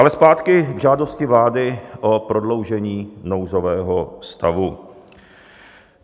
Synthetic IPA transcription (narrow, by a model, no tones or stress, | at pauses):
ʔalɛspaːt̪kɪɡʒaːdo̞scɪvlaːdɪʔopɾodlo̞wʒɛɲiːno̞wzo̞vɛːɦost̪avu